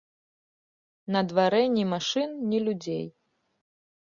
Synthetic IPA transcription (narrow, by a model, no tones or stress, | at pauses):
nɐd̪vaɾɛnʲimaʂɨnnʲilʲud͡zʲḛj